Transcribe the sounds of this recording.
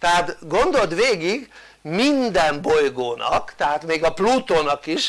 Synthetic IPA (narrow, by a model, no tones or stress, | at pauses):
t̪ɛɦaːt̪ɡo̞nd̪o̞lt̪ʋeːɡiɡ | mind̪ɛmbo̞jɡoːnʔɒ̰kt̪ɛɦaːt̪meːɡɒpluːt̪oːnɒkiʃ